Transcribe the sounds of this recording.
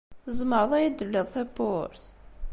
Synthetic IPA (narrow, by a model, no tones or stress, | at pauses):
θəzˤməɾˤəðˤæjæd̪əlːiðˤθæpːoɾθ